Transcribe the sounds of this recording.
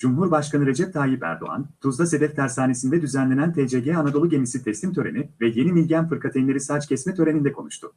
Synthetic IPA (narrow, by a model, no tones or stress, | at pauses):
d͡ʒumɦuɾbaʃkanɯɾe̞d͡ʒɛp̚t̪ʰaːjipæ̰ɾd̪o̰a̰nt̪ʰuzd̪ase̞d̪ɛft̪ʰæɾsaːnesind̪ɛd̪yzænlʲe̞nænt̪ʰed͡ʒeɟɛanad̪o̞lˠuɟe̞misit̪ʰɛslʲimt̪ʰø̞ɾe̞̰nivɛje̞nimilʲɟænfɯɾkʰat̪ʰenlʲe̞ɾisaːt͡ʃcʰɛsmɛt̪ʰø̞ɾe̞nind̪ɛkʰo̞nuʃt̪ʰʊ